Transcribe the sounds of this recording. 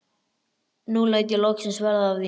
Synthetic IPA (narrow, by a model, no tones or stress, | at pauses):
nulaːjt̪jɛlowksɪnsvɛɾðaːvði